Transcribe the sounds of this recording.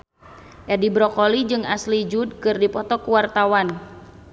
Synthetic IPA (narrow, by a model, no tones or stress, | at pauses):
ʔɛdibɾɔkɔlid͡ʒɨŋaslid͡ʒud̚kɨrdipɔt̪ɔkuwart̪awan